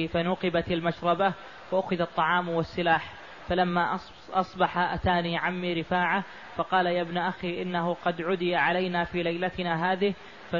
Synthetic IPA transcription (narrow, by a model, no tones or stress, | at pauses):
fanʊqɪbat̪almaʃɾˤɑba | waʔʊxɪðɑt̪ˤːɑʕɑːmwɪsːɪlaːħ | falamːaʔ | ʔɑsˤbɑħaʔat̪aːniːʕamːiːɾɪfaːʕa | fɑqɑːlajabnʔaxiːʔɪnːahʊqɑd̪ʕʊd̪ɪjaʕalajnafiːlajlat̪ɪnaɦaːðɪh | fa